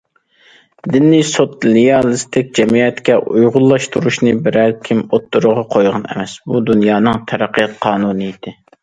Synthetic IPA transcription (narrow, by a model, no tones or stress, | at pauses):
d̪ɪnːisot̪leɑlˠɨst̪ɪkʲd͡ʒɛmijɛt̪kʲɛʔujʁʊlˠːɑʃt̪ʰuɾuʃnɨbɪɾɛlkʲʰimot̪ːuɾʊʁɑqʰojʁɑnɛ̰mɛsbud̪unjɑːnɨŋt̪ʰɛɾæqːijɑt̪̚qʰɑːnunɨid̪̥ɪ